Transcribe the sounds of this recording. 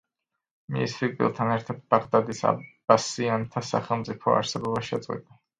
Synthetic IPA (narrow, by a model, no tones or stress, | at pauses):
mḭsfikbʼḭlˠt̪ʰanɛɾt̪ʰad̪̚baʁd̪ad̪isa̰b̥asiant̪ʰasa̰χɛlˠmt̪sʼipʰɔ̰a̰ɾsɛbɔbaʃɛd̪zʼwḭd̪a